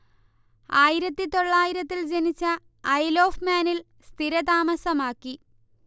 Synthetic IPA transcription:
aːjiɾɐt̪ːit̪o̞ɭːaːjiɾɐt̪ːild͡ʑenit͡ɕːɐː | jloːfmaːnil | st̪ʰiɾɐt̪aːmɐsɐmaːkːi

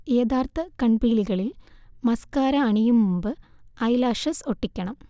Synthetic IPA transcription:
eːd̪aːrt̪ɐkɐɳbiːliɣɐɭilmɐskaːɾɐːɳijumːumbɨɐjlaːʂɐso̞ʈːikʲːɐɳɐm

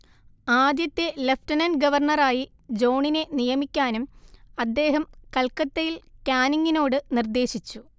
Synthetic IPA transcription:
aːd̪jɐt̪ːe̞lefʈɐnɐnɡɐʋɐrɳɐraːji | d͡ʑo̞ːɳine̞nijɐmikʲːaːnumɐd̪ːe̞ːɦɐmkɐlkɐt̪ːejilkʲaːniŋɡino̞ːɽɨnird̪e̞ːɕit͡ɕːu

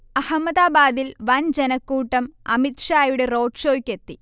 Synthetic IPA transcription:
ɐhɐmːɐðaːbaːd̪ilʋɐnd͡ʑenɐkːuːʈːɐmɐmit̪ʂaːjuɽe̞ro̞ːʈʂo̞ːkʲːe̞t̪ːi

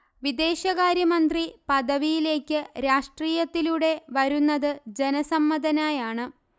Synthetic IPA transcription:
ʋid̪e̞ːɕɐɣaːɾjɐmɐnd̪ripɐd̪ɐʋijile̞ːkʲːɨɾaːʂʈriːjɐt̪ːiluɽe̞ʋɐɾunːɐðɨd͡ʑe̞nɐsɐmːɐd̪ɐnaːjaːɳɨ

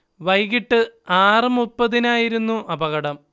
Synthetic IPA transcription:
ʋɐjɣiʈːɨaːrɨmupːɐðinaːjiɾunːuʔɐbɐɣɐɽɐm

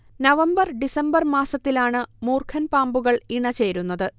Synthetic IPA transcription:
nɐʋɐmbɐrɖisɐmbɐrmaːsɐt̪ːilaːɳɨmuːrkʰɐnpaːmbuɣɐɭiɳɐt͡ɕe̞ːɾunːɐðɨ

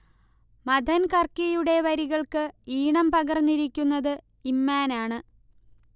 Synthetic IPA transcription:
mɐd̪ʱɐnkɐrkijuɽe̞ʋɐɾiɣɐɭkɨiːɳɐmpɐɣɐrnːiɾikʲːunːɐðɨ | imːaːnaːɳɨ

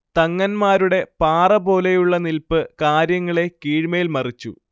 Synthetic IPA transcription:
t̪ɐŋːɐnmaːɾuɽe̞paːrɐbo̞ːle̞juɭːɐnilpɨkaːɾjɐŋːɐɭe̞kiːɻmɐjilmɐrit͡ɕːṵ

